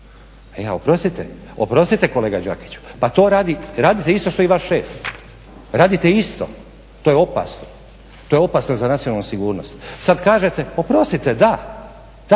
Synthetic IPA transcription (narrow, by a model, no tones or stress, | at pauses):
eaopɾo̞st̪it̪ḛo̰pɾo̞st̪it̪e̞ko̞le̞ːɡad͡ʒa̰ki̥t͡ɕu̥pat̪o̞ːɾaːd̪iɾaːd̪it̪eist̪o̞ʃt̪oiʋaʃʃeːf | ɾaːd̪it̪eist̪o̞̰ | t̪oːjeo̞pa̰sno | t̪oːjeo̞pasnozanat̪sio̞nalnusiɡuːɾnost̪sad̪kaːʒe̞t̪eo̞pɾo̞st̪it̪ed̪a | d̪